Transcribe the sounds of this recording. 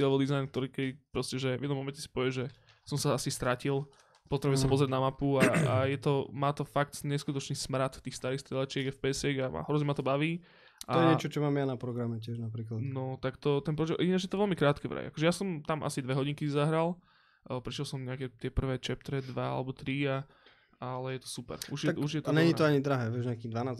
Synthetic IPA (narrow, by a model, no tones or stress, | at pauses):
lɛbɔd̪izajnk̚t̪ɔɾiːkɛd̪ipɾɔscɛʒɛvjɛd̪nɔ̃mɔmɛncɛsi̥pɔʋɪɛʒɛ | sɔmsaasist̪ɾacilˠ | pɔt̪ɾɛbuɛsapɔzɾɪɛd̪namapuaajɛt̪ɔmaːt̪ɔfak̚t̪ɲɛskut̪ɔt͡ʃniːsmɾat̪ft̪iːxst̪aɾiːxst̪ɾɛlɛt͡ʃɪɛɡafpɛsɪɛɡama̰ɦɾɔzɲɛmat̪ɔbaʋiː | ʔajɛɲɛt͡ʃɔt͡ʃɔmaːmjanapɾɔɡɾamɛcɪɛʒnapɾiːklanɔt̪akt̪ɔt̪ɛnpɾɔʒɛʔinad͡ʒjɛt̪ɔʋɛlmikɾaːt̪kɛʋɾa̰j̰a̰kɔʒɛjasɔmt̪amʔa̰sid̪ʋɛɦɔɟiŋkizaɦɾalˠ | pɾɛʃɛlˠsɔmɲɛakɛt̪ɪɛpr̩ʋɛːt͡ʃɛp̚t̪ɾɛd̪ʋaa̰lɛbɔt̪ɾia | alɛjɛt̪ɔ̥supɛ̰ɾuʒjɛuʒjɛt̪ɲɛɲit̪ɔaɲid̪ɾaɦɛːʋɛʒɲɛakiːd̪ʋanaːz